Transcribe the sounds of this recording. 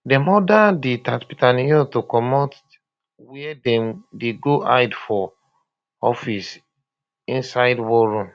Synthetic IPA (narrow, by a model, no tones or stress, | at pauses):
dɛmɔdadetatpitanijɔtokɔmɔt | wɛɛdɛ̃mdeɡoʔaɪdfɔ | ɔfis | ĩnsaɪdwɔɾũm